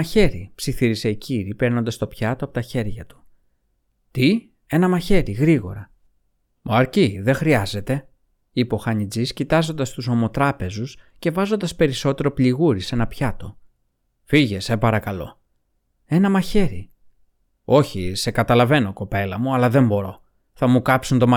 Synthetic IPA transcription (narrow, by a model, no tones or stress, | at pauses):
çe̞ɾipsiθiɾise̞iciɾipeɾnond̪ɐst̪o̞pçɐt̪oɐpo̞t̪ɐçe̞ɾʝɐt̪u̥ | t̪i | e̞nɐmɐçe̞ɾiɣɾiɣo̞̰ɾɐ | mʔoɐɾciðe̞xɾiɐze̞t̪e̞ | ipoxɐɲid͡ziscit̪ɐzo̞nd̪ɐst̪uso̞mo̞t̪ɾɐpe̞zusce̞vɐzo̞nd̪ɐspe̞ɾiso̞t̪e̞ɾo̞pliɣuɾise̞nɐpçɐt̪o̞ | fiʝe̞sepɐɾɐkɐlo̞̰ | e̞nɐmɐçe̞ɾḭ | o̞çise̞kɐt̪ɐlɐve̞no̞ko̞pe̞lɐmuɐlɐðe̞mbo̞ɾo̞ | θɐmukɐpsunt̪o̞mɐ